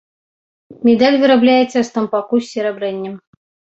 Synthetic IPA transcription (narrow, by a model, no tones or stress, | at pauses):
mʲɛd̪alʲvʲɨɾablʲæjɛt̪sʲɐst̪ɐmpakusʲːɛɾɛbɾɛnʲːɛm